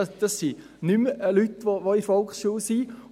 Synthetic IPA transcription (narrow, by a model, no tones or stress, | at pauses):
d̥ɑsːi | nyməlytʋoʋoifɔlkχsʃuːsiː